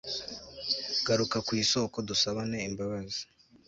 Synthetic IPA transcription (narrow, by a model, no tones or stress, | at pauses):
ɡ̥aɾukakwiːso̞ːko̞dusaβane̞imbaβazi̥